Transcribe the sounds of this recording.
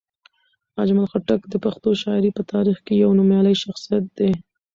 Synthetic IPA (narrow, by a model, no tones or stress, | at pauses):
ad͡ʒmalxaʈakd̪əpaxt̪oʃɑɪɾipət̪ɑɾixkejawnʊmjɑləjʃaxsijat̪̚d̪e